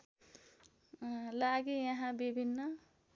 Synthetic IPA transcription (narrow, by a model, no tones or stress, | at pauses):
laɡijʌɦãbibʱinːʌ